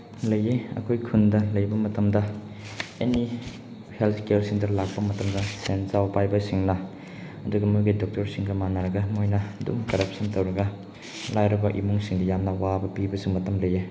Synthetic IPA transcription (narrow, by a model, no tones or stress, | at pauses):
lɐjeɐ̰kʰojkʰundɐlɐjbɐmɐtɐmdɐ | eni | helt̪ʰkelsiŋdɐlak̚pɐmɐtɐmdɐsenzawpajbɐsiŋnɐ | ɐduɡɐmujɡidɔk̚tɐɾsiŋɡɐmanaɾɐɡɐmojnɐdṵmkɐɾɐp̚sɐntɐwɾɐɡɐ | lajɾɐbɐʔḭmuŋsiŋdɐjamnɐwabɐpibɐsumɐtɐmlɐje